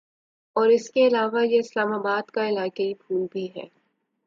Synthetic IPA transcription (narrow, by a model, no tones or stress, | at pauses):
ɔːɾɪskeɪlaːʋajeɪslaːmaːbaːd̪kaɪlaːkeipʰuːlbʱiɦɛ̰ː